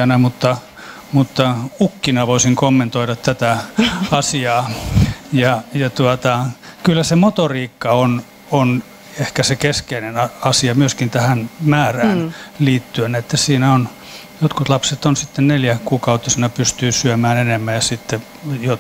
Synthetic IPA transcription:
ɑnæmut̪ːɑ | mut̪ːɑukːinɑʋoisiŋkomːent̪oiɾɑt̪t̪æt̪æɑsiɑː | jɑjɑt̪uɑt̪ɑkylːæsemot̪oriːkːɑon | on | ehkæsekeskeinenɑɑsiɑmyøskint̪æhænmæːræːnliːt̪ːyønæet̪ːæsiːnæon | jot̪kut̪lɑpset̪onsit̪ːenneljækuːkɑut̪ːisinɑpyst̪yːsyømæːnenemːæjɑsit̪ːe | jo

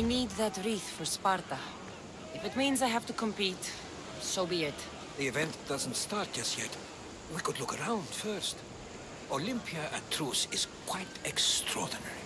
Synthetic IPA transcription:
inid̪̚ðɨtɹiθfəɹspaɹtə | ɪfɨt̚mĩnzaɪɦæftukʰə̃mpit | soʊbiɪt | ðiɨvɛ̃ntd̥ʌz̃n̩tstɑɹt̚d̥ʒ̥ʌstjɛt | wikədlʊkəɹãʊ̃nd̥fɜ˞st | olɪ̃mpʰiɨə̰tʰɹusɪz̥kʰw̥aɪtɛkstʰɹɔ̰ɹdənɛɹi

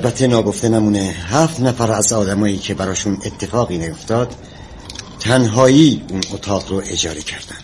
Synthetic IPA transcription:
ælbæt̪ʰːenɒːɡo̞ft̪e̞næmuːneɦæːft̪næfæɾæzɒːd̪æmɒːjiːcʰe̞bæɾɒːʃunet̪ʰːe̞fɒːɣiːnæjo̞ft̪ɒːd̪̥ | t̪ʰːænɦɒːjiːunot̪ʰɒːʁɾoʔe̞d͡ʒɒːɾicʰæɾd̪ænd̪̥

